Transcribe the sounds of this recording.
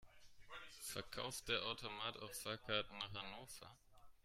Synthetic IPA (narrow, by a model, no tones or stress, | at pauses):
fɛɐkʰa̰ʊft̚d̥eːɐʔaʊtʰomaːta̰ʊfsaːkʰaːtnaːχhanoːfɐ̰